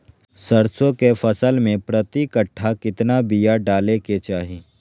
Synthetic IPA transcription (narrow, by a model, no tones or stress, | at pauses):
səɾsõkefɐsəlmẽpɾɐt̪ikəʈʰːakɪt̪nabijaɖaːleket͡ʃaːɦi